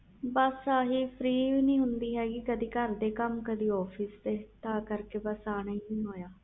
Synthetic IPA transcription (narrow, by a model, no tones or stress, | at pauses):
bəsəɦiːpʰɾiːʋiːnĩːɦʊnd̪iːɦɛːɡikəd̪iːkəɾd̪eːkəmkəd̪iːɔːpʰisd̪eːt̪ãːkəɾkeːbəsaːnaiːnĩːɦoːjaː